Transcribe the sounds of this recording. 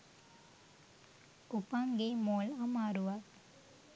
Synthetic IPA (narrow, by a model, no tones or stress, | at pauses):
upaŋɡemoːlamaːɾuʋa